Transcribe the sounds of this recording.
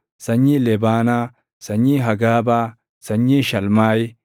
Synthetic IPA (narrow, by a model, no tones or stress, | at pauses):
sɐɲːilɛbaːnaː | sɐɲːiɦɐɡaːbaː | sɐɲːiʃɐlmaːj